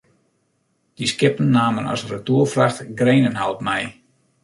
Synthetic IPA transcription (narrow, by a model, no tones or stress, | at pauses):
d̥iskɪpn̩ːaːmənɔ̰srətuərfraxtɡreːnənɦalˠpmɛj